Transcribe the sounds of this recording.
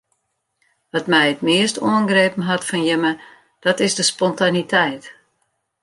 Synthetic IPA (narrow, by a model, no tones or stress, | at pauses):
ʋɑtmɛjətmɪəstoənɡreːpn̩ɦatfɔnjəmə | d̥ɔtɪzdəspɔntanitʰɛjt